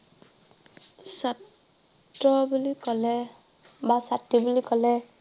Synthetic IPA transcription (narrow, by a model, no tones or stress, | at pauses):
sat | ɹɔbulikɔlɛ | basatːibulikɔlɛ